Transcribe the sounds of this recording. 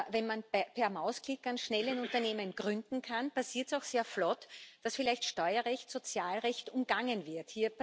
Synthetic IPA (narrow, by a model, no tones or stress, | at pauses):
vɛnmanpʰɛɐmaʊsklɪkanʃnɛlənʊ̃ntɐneːmənɡ̥ʁʏndn̩kʰanpasiːɐtsaʊxseːɐflɔtd̥asfɪlæɪçtʃtɔʏɐʁɛçtsot͡sjaːlʁɛçtʊmɡ̥aŋənvɪɐthiːɐp